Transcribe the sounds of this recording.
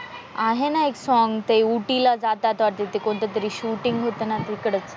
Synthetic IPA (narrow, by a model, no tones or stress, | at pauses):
aɦenaeksɔŋɡt̪euʈilad͡zat̪at̪ʋaɾt̪et̪ekoɳt̪et̪əɾiːɕuʈiŋɡɦot̪ənat̪əɾikəɽət͡s